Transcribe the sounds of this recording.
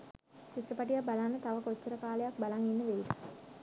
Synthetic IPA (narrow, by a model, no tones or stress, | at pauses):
sit̪ːrəpaʈ̬ijabalanːət̪aʋəkot͡ʃːəɾəkaːlejak̚balaŋenːəʋeid̪ə